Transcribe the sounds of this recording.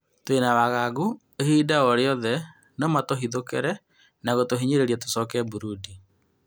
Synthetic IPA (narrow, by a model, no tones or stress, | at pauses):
twenawaɣaɡu | ehiːdaɔɾeɔðɛ | nɔmatoɦiðokɛ̰ɾɛ | naɣotoɦiɲeɾeɾiato̥sɔkɛbuɾudi